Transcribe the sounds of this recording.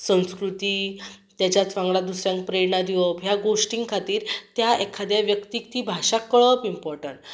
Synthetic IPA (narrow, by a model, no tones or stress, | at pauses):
sə̃w̃skɾut̪iːt̪jat͡ɕjat͡sʋãŋɡɭad̪usɾjãŋkpɾeɽnad̪ʱiʋəpjaɡosʈiŋɡkʰat̪iːɾt̪jaʔekʰad̪jaʋjəkt̪iːkt̪iːbʱaɕakːəɭəpimpɔɾʈəɳʈ